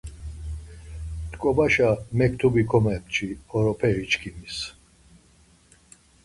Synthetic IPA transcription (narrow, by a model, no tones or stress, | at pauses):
t̪kʼɔbaʃamɛkʰt̪ʰubikʰɔmɛmt͡ʃʰiɔɾɔpʰɛɾit͡ʃkʰimis